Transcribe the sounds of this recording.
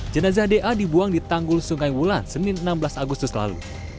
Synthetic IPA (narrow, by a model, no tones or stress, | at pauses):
d͡ʒənazahdeʔadibuaŋdit̪aŋɡʊlsuŋajwulansənɪnənambəlasaɡust̪ʊsla̰lṵ